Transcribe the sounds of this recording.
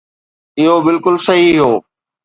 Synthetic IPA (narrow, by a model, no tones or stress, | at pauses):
ɪɦobɪlkʊlsɐɦiɦoː